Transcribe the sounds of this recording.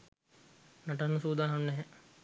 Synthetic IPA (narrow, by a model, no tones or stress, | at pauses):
nɐʈanusuːd̪aːnɐmnɛɦɛ